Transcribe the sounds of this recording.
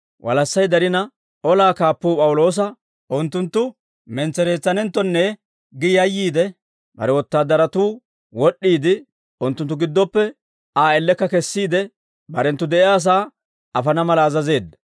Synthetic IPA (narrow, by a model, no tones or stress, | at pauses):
wʔɐ̰lɐsːɐjd̪ɐɾɪnɐ | ʔɔlaːkaːpːuːpʼɐwʊlo̞ːs̬ɐ | ʔʊnt̪ːʊnt̪ːʊ | mɛnt͡sːɛɾe̞ːt͡sːɐnɛnt̪ːɔnːɛ | ɡɪjɐjːiːd̪ɛ | bɐ̰ɾɛwɔt̪ːaːd̪ɐɾɐt̪uː | wɔɗːiːd̪ɪ | ʊnt̪ːʊnt̪ːʊɡɪd̪ːɔpːɛ | aːɛlːɛkːɐkɛsːiːd̪ɛ | bɐɾɛnt̪ːʊd̪ɛʔɪaːs̬aː | ɐfɐnɐmɐlɐːzɐze̞ːd̪ːɐ